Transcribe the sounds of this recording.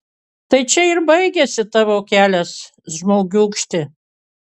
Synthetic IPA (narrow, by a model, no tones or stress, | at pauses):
t̪ɐɪt͡ʃʲɛɪɾbɐɪɡʲɛsʲɪt̪ɑʋoːkʲæːlʲɛs | ʒmoːɡʲukʃʲt̪ʲɪ